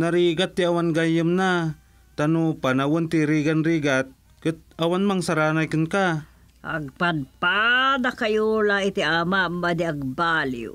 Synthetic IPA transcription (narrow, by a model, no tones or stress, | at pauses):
naɾiːɡat̪ːɪawanɡajʊmna | t̪anupanawʊnt̪iɾiɡanɾiːɡat̪̚ | kʊt̪̚awanmaŋsaɾaːnajkʊnka | ʔɐ̰ɡ̚pad̪pad̪akɐjolaɪt̪ɪʔamamad̪ɪɐɡ̚baːlḭ